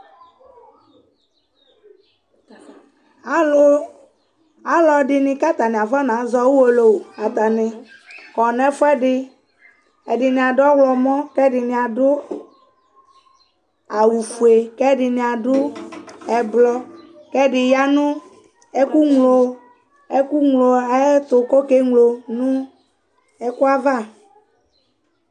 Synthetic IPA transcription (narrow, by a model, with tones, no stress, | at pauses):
o˦ | a˦lɔ˨ɖɪ˨nɪ̃˦ka˦t̪a˨nɪ̃˨a˨va˦nã˨˦zɔ˦wu˦wo˨lo˨wa˨t̪a˨nɪ̃˨kɔ˨n˦ɛ˦fʊ˦ɛ˦ɖɪ˦ | ɛ̰˨dɪ˨nĩ˨a˨dʊ˦ɔ˦wlɔ˨mɔ̃˦kɛ˦dɪ˨nɪ̃˨a˨dʊ˦ | a˨wu˨fu˨e˨kɛ˦ɖɪ˨nĩ˨a˨ɖʊ˦ɛ˨blɔ˦ | kɛ˦ɖɪ˨ja˦nũ˦ | e˦ku˦ŋlo˨ | e˦ku˦ŋlo˨ɛ˦t̪ʊ˨ko˦ke˦ŋlo˨nũ˦ | ɛ˦ku˦a˦va˦˨